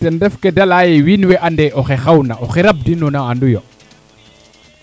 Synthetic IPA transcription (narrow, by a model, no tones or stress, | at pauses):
ɛndɛfkedalaːjewinweʔandeʔoxexawnaʔoxeɾab̚dinunaandujo